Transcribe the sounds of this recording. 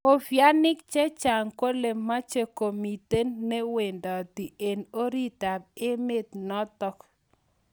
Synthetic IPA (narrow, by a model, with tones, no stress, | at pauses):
o˦˨fja˦nɪ˦k̚t͡ʃe˦t͡ʃa˨ŋko˦le˨ma˦t͡ʃe˦ko˨mi˨te˦nːe˦we˨ndɔ˨t̪i˨ʔe˨no˦ɾi˦ta˨b̚e˦me˦t̪nɔ˦t̪ɔ˦k